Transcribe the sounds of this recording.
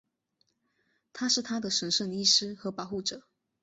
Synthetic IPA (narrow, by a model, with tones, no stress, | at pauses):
t̪ʰa˥ʂɻ̩˥˩t̪ʰa˥d̪ə˨ʂə˧˥nʂə˥˩ŋi˥˩ʂɻ̩˥xɤ˧˥pɑ˨˦ʊxu˥˩ʈ͡ʂɤ˨˩˦